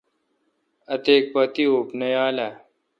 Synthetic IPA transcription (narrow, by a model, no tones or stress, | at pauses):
ɐt̪eːk̚pɐt̪ioːpnɐjaːla